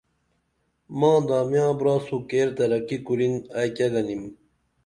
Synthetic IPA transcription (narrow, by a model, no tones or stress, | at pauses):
mãːd̪aːmjãːbɾaːsukeːɾt̪ɐɾɐkikuɾinajkɐɡɐnim